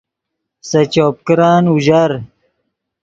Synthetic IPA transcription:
sɐt͡ɕoːp̚kiɾaːnuʑaɾ

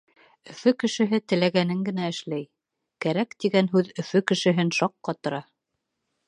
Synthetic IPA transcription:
ɵ̆fɵkɘ̆ʃɘ̆ɦɘt̪ɘ̆læɡænɘŋɡɘ̆næɘ̆ʃlæj | kæɾækt̪iɡænɦʉðɵ̆fɵkɘ̆ʃɘ̆ɦɘnʃɑqːɑt̪ɤ̆ɾɑ

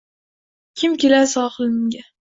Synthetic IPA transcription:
kʲʰɪmkʲelasɒχɨlnɪɡʲa

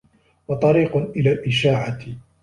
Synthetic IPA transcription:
wɑt̪ˤɑɾiːqʔɪlaːlʔɪʃaːʕat̪

